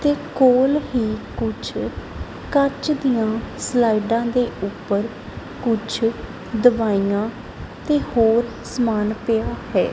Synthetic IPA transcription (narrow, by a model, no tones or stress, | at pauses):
t̪eːkoːlɦiːkʊt͡ʃʰ | kəɾt͡ʃd̪ijãːslaːiɖãːd̪eːʔʊpːəɾ | kʊt͡ʃʰ | d̪əʋaːijãː | t̪eːhoːɾ | səmaːnpɪjaːhɛ̰ː